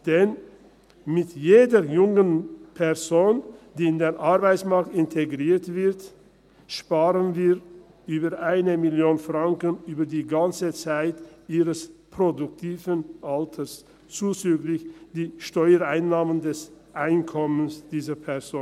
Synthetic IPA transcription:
d̥ɛn | mɪtjeːdəjʊŋənpʰɛɐzoːnd̥iːɪndeːnʔaɐbaɪt͡ssmaɐk̚tɪntʰeɡʁiːɐtv̥ɪt | ʃpaːʁənviː | ʔyːbɐʔaɪnəmɪljoːnfʁ̥aŋkənyːbɐdiːɡant͡sət͡saɪtʔiːʁəspʁ̥odʊktʰiːvənʔaltʰəs | t͡suːt͡syːɡlɪçd̥iːʃtɔʏəaɪnːaːməndɛsʔaɪnkʰɔmənsd̥iːzɐpʰɛɐzoːn

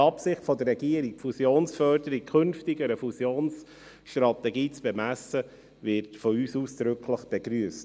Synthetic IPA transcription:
ɑpsɪχtfɔd̪ərːɛɡiəɾik̚fusjoːnsfœrdəɾikkʰχɵnftiɡəɾəfusjoːns | ʃtɾɑt̪ɛɡiːt͡sb̥ɛmæsə | vɪɾtfɔyːsuːsd̥ɾʏkʰləχb̥ɛɡɾyəst

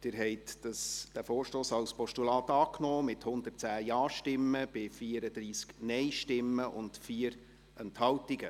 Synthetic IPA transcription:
d̥ɪɾɦɛɪtd̥ɑsd̥æfoːɾʃtoːsɑwspɔʃtulɑːt̪ɑːknoːmɪthʊnd̪ərtt͡sæːjɑːʃtɪmːəb̥ɪfiːəɾəd̥̪ɾiːsknɛjʃtɪmːəʔʊntfiːəɾ | ɛnthɑwtiɡə

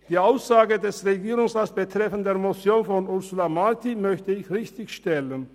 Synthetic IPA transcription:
d̥iːaʊsz̥aːɡədɛsʁeɡiːʁʊŋsʁaːsb̥ətʁ̥ɛfn̩deːɐmot͡sjoːnfɔnʊʁsulamaʁtimœçtəɪçʁɪçtɪçʃtɛlən

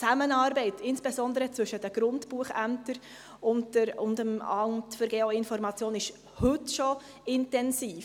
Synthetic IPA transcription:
t͡sæmənɑɾbɛɪtʰɪnsb̥ezɔndəɾət͡sʋʏʃədəɡ̥ɾʊntb̥uəχæmtəɾ | ʊntdəɾʊndəmɑntfəɾɡeːoɪnfɔɾmɑt͡sjoːnɪʃ | hʏtʃɔ | ɪntɛnsiːf

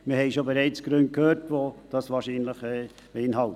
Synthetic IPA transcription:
mɪɾhɛɪʃobeɾɛɪt͡sɡ̥ɾønt̚kʰhøːɾtʋod̥ɑsʋɑːɾʃiːnləχɛː | b̥əɪnɦɑlt

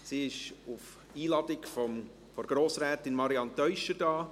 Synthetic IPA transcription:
siːɪʃuf | iːlɑdɪkfɔm | fɔɾɡ̥ɾoːsɾɛːtɪnmɑɾiɑntœʏʃəɾd̥ɑː

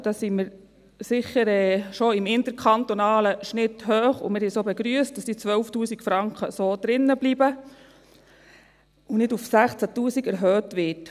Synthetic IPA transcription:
d̥ɑːsimɪɾ | sɪχəɾɛːʃoɪmɪnt̪əɾkʰɑnt̪onɑːləʃnɪt̪høːχʊ̰mɪɾhɛsoːbɛɡɾyəst̚d̥ɑsdiːt͡sʋœlftuːsikfɾɑŋkχəsoːd̪̥ɾɪnːəbliːbə | unɪdufsæχt͡sætuːsiɡɛɾɦœːtʋɪt

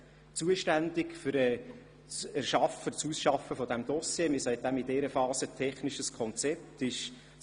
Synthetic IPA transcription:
t͡suəʃtændɪkfʏɾɛ | t͡sæʃɑfət͡susʃɑfəfɔd̪æmd̪ɔsjemɪsɛɪt̚d̥̪æmidɛːɾəfɑːsətʰɛχnɪʃəskʰɔnt͡sɛp̚tɪʃ

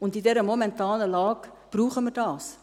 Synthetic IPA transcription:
ʊndidɛɾəmomɛntɑːnəlɑːɡ | b̥ruːχəmərd̥ɑːs

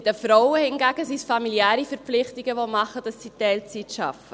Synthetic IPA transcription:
dəfɾɔʊəhɪnɡæːɡ̥əsisfɑmiljæːɾifɛɾp͡flɪχtɪɡəʋomɑχəd̥ɑsːitɛlt͡sitʃɑ̰fə

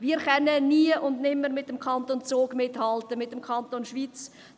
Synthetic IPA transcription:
viːɾχɛnəniːəʔʊndnɪmːəɾmɪt̚dəmkʰɑntoːnt͡soːɡmɪthɑltəmɪt̚ːəmkʰɑntoːnʃviːt͡s

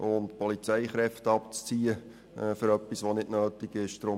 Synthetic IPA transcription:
ʊntpɔlit͡sɛɪχɾɛftəɑpt͡st͡siːə | fʏɾœpːisʋonɪdnøːtɪɡɪʃd̥ɾʊ

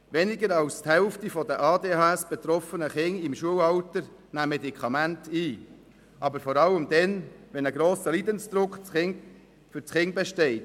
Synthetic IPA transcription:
ʋɛnɪɡəɾɑwsthɛlftifɔdəʔɑːdeːhɑɛsb̥ɛt̪ɾɔfənəχɪŋɪmʃuəwɑwtəɾnæːmɛdikʰχɑmæntiː | ʔɑbəɾfɔɾɑləmd̪ɛnʋɛnəɡɾoːsəliːd̪ənsd̥̪ɾʊkɪŋ | fʏɾt͡sχɪŋbɛʃtɛɪt

